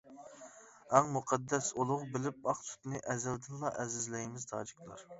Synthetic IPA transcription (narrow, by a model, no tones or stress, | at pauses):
æŋmuqʰɛd̪ːɛsulˠʊʁbɪlɪp̚ɑχsʰu̥t̪nɨʔɛzɛld̪ɪnlˠɑʔɛzɪzlɛjmɪzt̪ʰɑ̰ːd͡ʒɨkʲlˠɑ̰ɾ